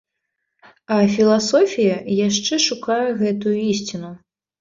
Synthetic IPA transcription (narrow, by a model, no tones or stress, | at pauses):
ɐfʲilˠasɔfʲijɐjaʂt͡ʂɛʂukajɛɣɛt̪ujuisʲt͡sʲinu